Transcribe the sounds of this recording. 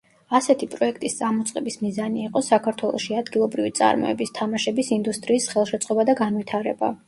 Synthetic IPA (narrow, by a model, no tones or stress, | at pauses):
asɛt̪ʰipʼɾɔɛk̚ʰt̪ʼist̪sʼamɔt̪sʼqʼɛbismizaniːqʼɔsakʰaɾt̪ʰwɛlˠɔ̰ʃiad̪ɡilˠɔbɾivit̪sʼa̰ɾmɔ̰ɛ̰bist̪ʰamaʃɛbisind̪ust̪ʼɾiːsχɛlˠʃɛt̪sʼqʼɔbad̪aɡanvit̪ʰaɾɛba̰